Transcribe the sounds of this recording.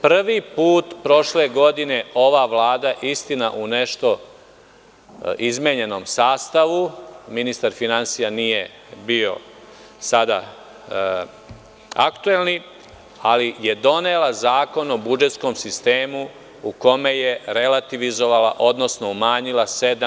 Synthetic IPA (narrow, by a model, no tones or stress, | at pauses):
pr̩ʋipuːt̪pɾo̞ʃle̞ɡo̞d̪ine̞o̞ʋaʋlaːd̪aʔist̪inaʔune̞ʃt̪o̞ | izmeɲe̞no̞ːmsaːst̪aʋuminist̪aɾfinansijanije | bio̞̰ | sad̪a̰ | a̰kt̪ue̞lni | alije̞d̪o̞nelazaːko̞nobud͡ʒe̞t̪sko̞msist̪eːmu | uko̞me̞je̞ɾe̞lat̪iʋizo̞ʋala̰ʔo̞d̪no̞sno̞umaːɲilased̪